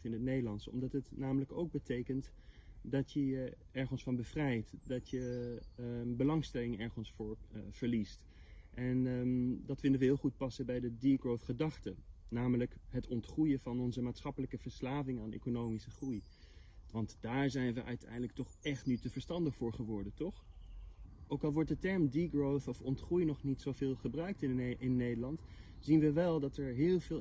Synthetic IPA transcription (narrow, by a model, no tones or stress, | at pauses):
tɪnətnejdəlɑnsɔ̰mdɑtɦətnaːmələko̰wɡ̚bətejkənt | dɑtjə | ɛɹχənsfɑnbəvrɛjtdɑtjə | bəlɑŋstɛlɪŋɛɹχənsfʊːɹv̥əɹlist | ʔɛndɑtfɪndəʋəɦɪːlˠχut̚pɑsəbɛjdədiɡɹowfχədɑχtənaːmələkɦətɔntχrujəvɑnɔnzəmaːtsχɑpələkəv̥əɹslaːvɪŋaːnḛjkonowmisəχruj | ʋɑntd̥aːɹzɛjnʋəʔœ̰ɥtʰɛ̰jdləktɔχʔɛχtnytəv̥əɹstɑndəχfʊːɹχəʋɔɹdəntɔχ | ʔowkɑlˠʋɔɹt̚dətɛɹmdiɡɹowθɔfɔntχrujnɔχnitsowvɪːlˠχəbrœɥk̚tɪɪnːejdəlɑntz̥inʋəʋɛlˠdɑtɛɹɦɪːlˠvɪː